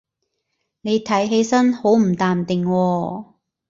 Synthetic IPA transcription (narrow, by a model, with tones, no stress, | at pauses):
ne˨˧jt̪ʰɐ˨˥jɦe˨˥jsɐ˥nho˨˥wm̩˨˩t̪aː˨mt̪ɪ˨˩ŋwɔː˧